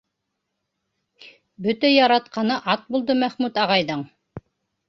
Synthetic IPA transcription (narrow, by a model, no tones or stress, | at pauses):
bɵt̪æjɑɾɑt̪̚qɑnɤʔɑt̪̚bulˠd̪ɤmæχmʉt̪ɑʁɑjðɤɴ